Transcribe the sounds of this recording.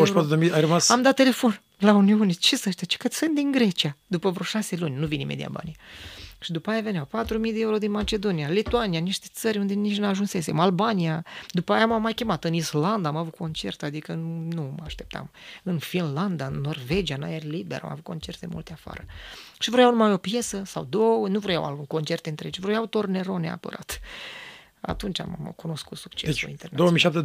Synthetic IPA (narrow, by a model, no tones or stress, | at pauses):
oʃpat̪ud̪emiajrəmasamd̪at̪ːe̞le̞fo̞n | launiunet͡ʃesəʃt̪at͡ʃe̥kət̪sʲfend̪iŋɡɾe̞t͡ʃiad̪upəvɾo̞ʃase̞lunʲnuvinḭmed̪ḭa̰ba̰nijaʃid̪upaajave̞niawpat̪ɾumijd̪eeuɾo̞d̪inmat͡ʃe̞d̪o̞nijalit̪uanianiʃt̪e̞̥t̪səɾʲund̪e̞nit͡ʃnuaʒunse̞se̞malbanijad̪upajamamːajkʲe̞mat̪ɨnisland̪amavut̪̚ko̞nt͡ʃe̞rt̪ad̪ikənuaʃt̪ep̚t̪a̰mɨnfinland̪aɨnːo̞rve̞d͡ʒiana̰jerlibḛɾa̰ma̰vut̪̚ko̞nt͡ʃe̞rt̪emṵlt̪eafa̰ɾəʃivɾojawnumajo̞pje̞səsawd̪o̞wənuvɾoja̰wa̰luko̞nt͡ʃe̞rt̪eɨnt̪ɾet͡ʃvɾojawut̪o̞rne̞ɾo̞nea̰pə̰ɾʔa̰t̪ | a̰t̪unt͡ʃʲa̰mkuno̞skut̪su̥kt͡ʃesṵinendeowəmiʃap̚t̪e